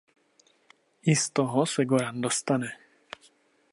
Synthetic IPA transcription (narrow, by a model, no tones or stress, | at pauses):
ist̪ɔɦɔsɛɡɔɾand̪ɔst̪anɛ